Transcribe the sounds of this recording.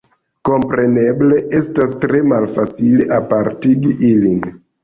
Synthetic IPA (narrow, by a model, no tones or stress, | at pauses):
ko̞mpɾe̞ne̞ble̞ʔe̞stastɾe̞malfat͡sile̞ʔapaɾtiɡiʔilin